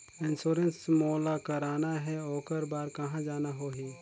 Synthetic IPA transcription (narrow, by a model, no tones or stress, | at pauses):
ɪnsuːɾənsmoːlakɐɾaːnaɦɛoːkəɾbaːɾkɐɦãd͡ʒaːnaɦoːɦĩː